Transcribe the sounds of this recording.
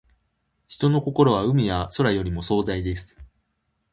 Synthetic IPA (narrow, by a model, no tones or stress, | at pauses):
çi̥t̪o̞no̞ko̞ko̞ɾo̞β̞aɯ̟mʲijaso̞ɾajo̞ɾʲimo̞so̞ːd̪aid̪e̞sɨ̥